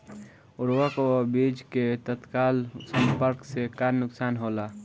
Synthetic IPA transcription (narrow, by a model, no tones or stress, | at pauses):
ʊɾwakobid͡ʒket̪ət̪kaːlsə̃mpəɾksekaɾnʊksaːnɦola